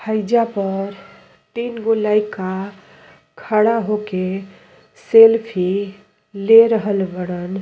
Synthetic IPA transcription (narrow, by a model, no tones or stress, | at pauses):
hʰəɪd͡ʒapəɾ | t̪inɡolajkːa | kʰəɽaɦoke | selpʰi | leɾəɦəlbəɽ̃ən